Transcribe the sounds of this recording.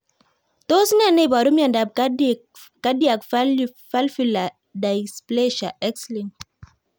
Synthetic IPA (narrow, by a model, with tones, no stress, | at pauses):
to˦snɛ˦˨ne˦˨ba˨ɾu˦mja˨nda˨b̚ | ka˦di˦a˨kflfa˦lfi˦la˨ | da˨jsple˦ʃa˨ʔɛ˦ksli˨ŋ